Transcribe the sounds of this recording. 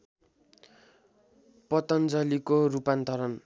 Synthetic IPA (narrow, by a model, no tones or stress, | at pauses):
pʌt̪ʌnd͡zʌlikorupant̪ʌɾʌn